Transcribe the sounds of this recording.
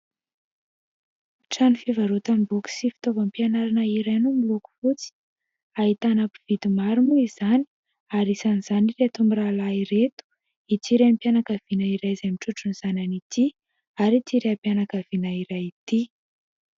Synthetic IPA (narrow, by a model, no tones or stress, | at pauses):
ʈ͡ʂanifivaɾut̪ambuki̥sifi̥t̪ovampianaɾanəiɾajnumiluku̥fut͡si̥ | aɦit̪anapiv̥id̪imaɾumuizani̥ | aɾisaniz̥anireat̪umbiɾalaiɾet̪u̥ | it͡s̪iɾeampjanakav̥inəiɾajzamiʈ͡ʂuʈ͡ʂuniz̥ananit̪i | aɾit͡s̪iɾeapjanakəvinaiɾajit̪i